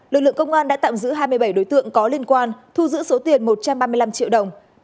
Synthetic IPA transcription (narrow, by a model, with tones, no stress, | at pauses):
lɨ˨˩k̚lɨ˧˨ə˨kə˧wŋ͡mʔaː˧nɗa̰ː˧˥t̪a̰ː˧˨mzɨ̰˧˥ɦaː˧jmɨ˧əjɓa˧˩jɗo˨˦jt̪ɨ̰˧˨əŋkɔ˨˦li˧ənkwaː˧nt̪ʰu˧zɨ̰˧˥so˨˦t̪i˨˩ənmo˨˩t̚t͡ɕa˧mɓaː˧mɨ˧əjla˧mt͡ɕḭ˧˨wɗə˨˩wŋ͡m